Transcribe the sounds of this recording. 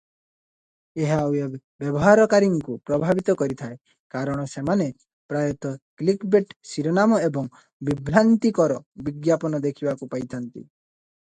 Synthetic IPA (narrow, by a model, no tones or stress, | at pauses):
eɦawje | bjɔbɔɦaɾɔkaɾiŋkupɾɔbʱabit̪ɔkɔɾit̪ʰae | kaɾɔɽ̃ɔsemane | pɾajɔt̪ɔklikbeʈsiɾɔnamɔebɔŋ | bibʱɾant̪ikɔɾɔbiɡjapɔnɔd̪ekʰibakupajt̪ʰant̪ḭ